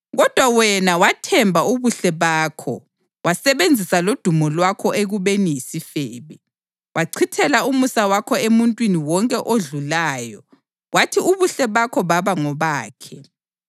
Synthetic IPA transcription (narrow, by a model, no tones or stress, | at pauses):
ɣɔd̥ʱwawɛnawatʰɛmbʱauβuɬɛβaːkʰɔ̰ | wasɛβend͡zʱisalod̥ʱumɔlwakʰɔʔeɣuβenijisifɛːβɛ | wʔaǀʰitʰɛlaumusawakʰɔemuntʼwiniwɔŋkʼɛʔoɮulaːjɔ | watʰiuβuɬɛβakʰɔβaβaŋɔβaːkʰɛ